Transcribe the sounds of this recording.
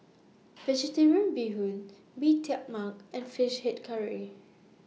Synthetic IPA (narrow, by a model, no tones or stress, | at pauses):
v̥ɛd͡ʒitɛɹiə̃nbiɦũn | bitʰɛk̚makɛ̃nfiʃhɛt̚kʰaɹi